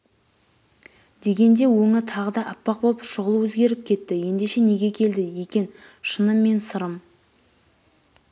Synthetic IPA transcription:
d̪e̞ɡʲe̞nd̪e̞wɵŋɪt̪ʰɑʁəd̪ɑʔɑpːɑq̚boʃʊʁəlˠəwɵzɡʲe̞ɾɪp̚kʲʰe̞t̪ːɪje̞nd̪e̞ʃe̞ne̞ɡʲe̞kʲʰe̞ld̪ɪje̞kʲe̞nʃənəmːe̞nsəɾəm

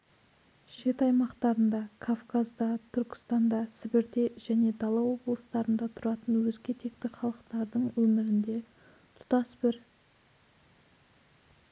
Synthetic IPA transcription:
ʃe̞t̪ɑjmɑqt̪ɑɾənd̪ɑkʰofkazd̪ɑt̪ʰʏɾkʲɪ̥st̪ɑnd̪ɑsɪbɪɾd̪e̞ʒ̥æne̞d̪ɑlˠɑwo̞blˠəst̪ɑɾənd̪ɑt̪ʰʊɾɑt̪ənwɵzɡʲe̞t̪ʰe̞kt̪ɪχɑlˠəqt̪ɑɾd̪əɴwɵmɪɾɪnd̪e̞ | t̪ʰʊ̥t̪ɑsbɪɾ

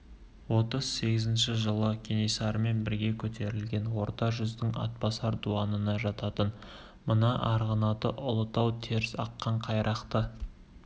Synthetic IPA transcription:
wo̞t̪əz̥se̞ɡʲɪzɪnʃɪʒəlˠəkʲʰenisɑɾəme̞nbɪɾɡʲe̞kʲʰɵt̪e̞ɾɪlɡʲe̞nwo̞ɾt̪ɑʒʏzd̪ɪŋɑ̰t̪̚pɑsɑɾd̪uɑnənɑʒɑt̪ɑt̪ən | mənɑʔɑɾʁənɑt̪əʔʊlˠət̪ɑwt̪ʰe̞ɾɪsɑqːɑɴqʰɑjɾʔɑqt̪ə

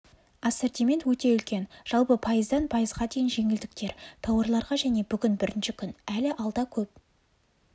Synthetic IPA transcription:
ɑseɾt̪ijme̞nt̪wɵt̪e̞ʏlkʲe̞nʒ̥ɑlˠpəpʰɑjəzd̪ɑnpʰɑjəzʁɑd̪e̞jɪnʒe̞ŋɪld̪ɪkt̪e̞ɾt̪ʰɑwɑɾlˠɑɾʁɑʒæne̞bʏɡʲɪnbɪɾɪnʃɪkʲʰʏnælɪʔɑlˠd̪ɑkʲʰɵp̚

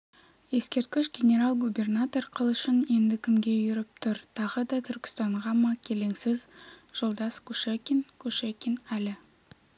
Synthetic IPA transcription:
je̞skʲe̞ɾt̪̚kʲɪʃɡʲenʲe̞ɾɑlˠɡube̞rnat̪o̞rqʰəlˠʏʃɪne̞nd̪ɪkʲʰɪmɡʲe̞ʒʏɾɪp̚t̪ʰʊɾt̪ʰɑʁəd̪ɑt̪ʰʏɾkʲɪ̥st̪ɑɴʁɑmɑkʲʰe̞le̞ŋsɪzʒ̥olˠd̪ɑskuʃekʲinkʰuʃekʲinælɪ

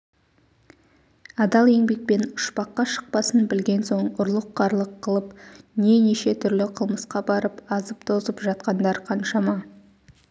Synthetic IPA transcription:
ɑd̪ɑlˠe̞ŋbe̞k̚pe̞nʊ̥ʃpɑqːɑʃə̥q̚pɑsənbɪlɡʲe̞nso̞ɴʊɾlˠəqːɑɾlˠəqʰːəlˠəpne̞ne̞ʃe̞t̪ʰʏɾlɪqʰəlˠməsqɑbɑɾəpɑzəpt̪ʰo̞zəpʒɑt̪̚qɑnd̪ɑɾqʰɑnʃɑmɑ

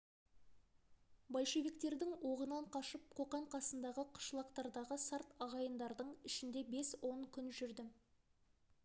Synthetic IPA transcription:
bɑj̪ʃe̞vikt̪e̞ɾd̪ɪŋwo̞ʁənɑɴqʰɑʃəp̚qʰo̞qɑɴqʰɑsənd̪ɑʁəqʰʊ̥ʃlˠɑqt̪ɑɾd̪ɑʁəsɑɾt̪ɑʁɑjənd̪ɑɾd̪əɴɪʃɪnd̪e̞be̞swo̞ŋkʲʰʏnʒʏɾd̪ɪ

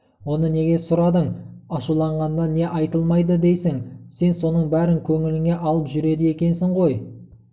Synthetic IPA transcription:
wo̞nəne̞ɡʲe̞sʊɾɑd̪əɴɑʃulˠɑɴʁɑnd̪ɑne̞ʔɑjt̪əlˠmɑjd̪əd̪e̞jsɪŋse̞nso̞nəɴbæɾɪŋkʲʰɵŋɪlɪŋe̞ʔɑlˠəpʒʏɾe̞d̪ɪje̞kʲe̞nsɪɴʁo̞j

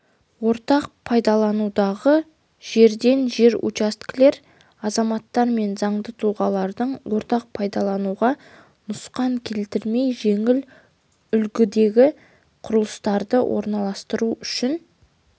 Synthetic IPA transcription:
wo̞ɾt̪ɑq̚pʰɑjd̪ɑlˠɑnud̪ɑʁə | ʒ̥e̞ɾd̪e̞nʒe̞ɾṵt͡ʃast̪kʲle̞ɾ | ɑzɑmɑt̪ːɑɾme̞nzɑɴd̪ət̪ʰuʁɑlˠɑɾd̪əɴwo̞ɾt̪ɑq̚pʰɑjd̪ɑlˠɑnuʁɑ | nʊsqɑŋkʲʰe̞lt̪ɪɾme̞jʒe̞ŋɪl | ʏlkʲɪd̪e̞ɡʲɪ | qʰʊɾəlˠəst̪ɑɾd̪əwʔo̰ɾnɑlˠɑst̪əɾuʏʃɪn

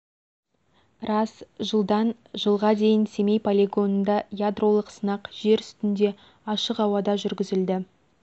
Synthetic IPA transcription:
ɾɑsʒəlˠd̪ɑn | ʒəlˠʁɑd̪e̞jɪnse̞me̞jpʰolʲeɡo̞nənd̪ɑjad̪ro̞lˠəqsənɑqʒ̥e̞ɾʏst̪ɪnd̪e̞ | ɑʃəqɑwɑd̪ɑʒʏɾɡʲɪzɪld̪ɪ

